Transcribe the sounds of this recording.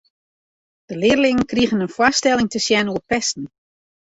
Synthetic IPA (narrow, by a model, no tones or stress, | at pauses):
d̥əlɪərlɪŋənkriɣənənfwastɛlˠɪŋtəsjɛnuəpɛstn̩